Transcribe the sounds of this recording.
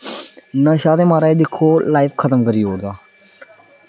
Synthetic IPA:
nãːʃaːd̪eːmaːɾaːeːd̪ɪkʰːoːlaːɪfkʰət̪əmkəɾiːɦoːɽd̪aː

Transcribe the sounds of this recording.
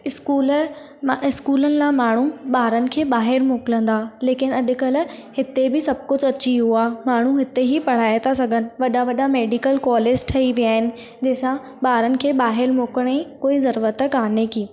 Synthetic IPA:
ɪskuːl | ɪskuːlənɪ̆lãmaːɳ̤uɓaːɾənɪ̆kʰeːɓaːɦɪɾmoːkɪlə̃nd̪aːleːkɪnɐɗ̆kəlhɪt̪ebɪsɐb̚kʊd͡ʑɐt͡ɕiɦuaːmaːɳ̤uɦɪt̪eɦipɐɽ̤aːet̪ʰas̬ɐɡʱənɪ̆ʋɐɗaʋɐɗameːɖikəlkɔːleːd͡ʑʈʰɐiʋiaːɦɪnɪ̆ | d͡ʑɐɦːsã | ɓaːɾənɪ̆kʰeːɓaːɦɪɾmoːkəɽ̃ẽkoːizɐɾuːɾət̪əkaːnekĩː

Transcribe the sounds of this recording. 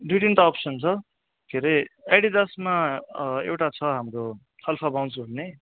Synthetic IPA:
ɖijʈinʈ̪aːpsʌnt͡sʰʌ | kʰeɾeajɽid̪ʌsmaewʈat͡sʰʌɦamɾo | tʰʌlpʰabaw̃nt͡sʰuɦunne

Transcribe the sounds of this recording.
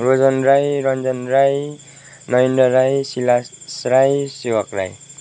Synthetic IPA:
rod͡zʌnɾajɾʌnd͡zʌnɾaj | nʌjnɖʌɾajsilasɾajsewʌkra̰j

